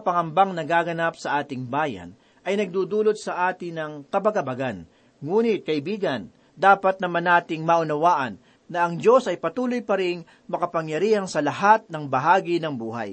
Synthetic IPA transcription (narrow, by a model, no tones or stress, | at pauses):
pɐŋɐmbaŋnɐɡaːɡɐnap̚sɐʔaːt̪ɪŋbaːjɐ̰a̰n | ʔɐjnɐɡ̚d̪uːd̪uːlot̪̚sɐʔaːt̪ɪnɐŋkɐbɐɡɐbɐɡan | ŋuːnɪt̪̚kɐʔɪbiːɡɐn | d̪aːpɐt̪̚nɐmanːaːt̪ɪŋmɐʔʊnɐwaːʔɐnː | ɐʔɐŋd͡ʒo̞sʔɐjpɐt̪uːlojpɐɾɪŋ | mɐkɐpɐŋjɐɾiːhɐŋsɐlɐɦat̪̚nɐŋbɐɦaːɡinɐŋbuːɦa̰j